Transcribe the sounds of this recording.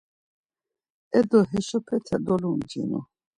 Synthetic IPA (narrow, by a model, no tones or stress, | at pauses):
ɛd̪ɔɦɛʃɔpʰɛtʰɛd̪ɔlund͡ʒḭnɔ̰